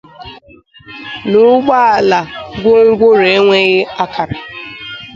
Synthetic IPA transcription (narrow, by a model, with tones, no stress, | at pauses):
nʊ˦ɡ͡ba˦a˨la˨ɡʷʊ˦ŋ̩˦ɡʷʊ˦ɾe˨˦ŋʷe˦ɣɪ˦a˦kʰa˨ɾḁ˨